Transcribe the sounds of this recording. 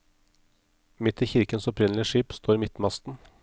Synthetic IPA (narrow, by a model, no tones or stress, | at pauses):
mɪt̪ʰiːçɪɾkənsɔpʰɾɪnlɪəʃiːpst̪ʰoːɾiːmɪt̪mɑst̪n̩